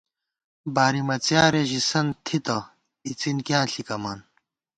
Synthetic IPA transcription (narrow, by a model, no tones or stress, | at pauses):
baːɾimɐt͡sjaːɾeʑisɐnt̪ʰit̪ɐ | it͡sinkjãːɬikɐmaːn